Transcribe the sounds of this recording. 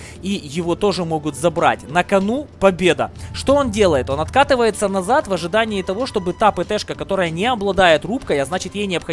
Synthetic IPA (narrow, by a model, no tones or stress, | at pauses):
ijɪvo̞t̪o̞ʐɨmo̞ɡʊt̪zɐbɾa̰tʲnɐkɐnupɐbʲe̞d̪ə̰ʂt̪o̞ondʲe̞lˠəjɪt̪o̞nɐt̪kat̪ɨvəjɪt̪sːənɐzat̪vɐʐɨd̪anʲɪɪt̪ɐvo̞ʂt̪o̞bɨt̪apɨt̪ɛʂkəkɐt̪o̞ɾəjənʲɪɐblˠɐd̪ajɪt̪rup̚kəjɐznat͡ɕɪt̪jejnʲɪɐpxɐ